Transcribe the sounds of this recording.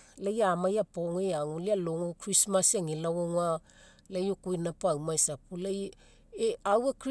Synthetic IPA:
lajamajapoŋeaŋolialoŋokɾismaseŋilawoŋa | lajokujnapawmaesapulaj | awak

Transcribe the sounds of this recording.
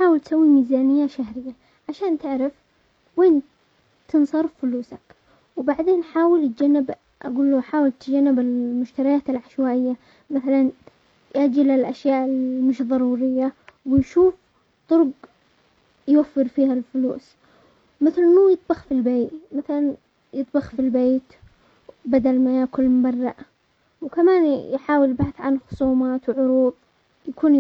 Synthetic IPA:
ħaːwɪlt̪sawːimiːzaːnɪjːaʃaɦɾɪjːa | ʕaʃaːnt̪ɪʕɾɪf | weːn | t̪ʰɨnsˤɑɾˤffʊluːsak | wbaʕd̪eːnħaːwɪlt̪̚d͡ʒanːɪb | ʔa̰ɡuːlːuħaːwɪlt̪d͡ʒanːɪbɪlmʊʃt̪aɾɪjaːt̪alʕaʃwaːʔɪjːa | maθalan | jʔad͡ʒɪlalʔaʃjaːʔɪlmɪʃðˤɑɾˤuːɾɪjːawɪjʃuːf | t̪ˤʊɾɡ | jwafːɪɾfiːhalfʊlṵːs | mɪθlnːuːjɨt̪ˤbɑxfilbeːʔmaθalan | jɨt̪ˤbɑxfilbeːt̪ | bad̪almajaːkʊlmʊbɑrˤːɑʔ | wkamaːnjħaːwɪljbaħaθʕanxʊ̥sˤuːmaːt̪wʕʊɾuːb̪̚ˤ | jakuːn

